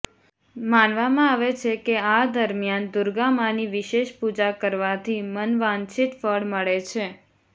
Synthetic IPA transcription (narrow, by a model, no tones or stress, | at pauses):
manʋamãaʋet͡ʃʰekead̪əɾmjand̪uɾɡamaniʋiʃeʃpud͡ʒakəɾʋat̪ʰimənʋãnt͡ʃʰit̪fəɽməɭet͡ʃʰe